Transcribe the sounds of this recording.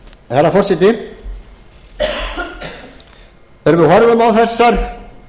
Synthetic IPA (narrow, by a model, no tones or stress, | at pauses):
θɛɾafɔr̥sɪt̪ɪ | ɛɾvʏɦɔɾðʏmawθɛsːaɾ̥